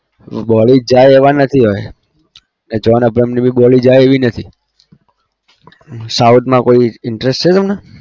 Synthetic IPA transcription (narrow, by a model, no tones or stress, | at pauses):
bɔɭid͡ʒajeʋanət̪ʰiɦoj | ned͡ʒɔnəbɾəmnibʱiɓɔɭid͡ʒajeʋinət̪ʰi | saut̪ʰmãkoiɪɳʈɾesʈt͡ʃʰet̪əmna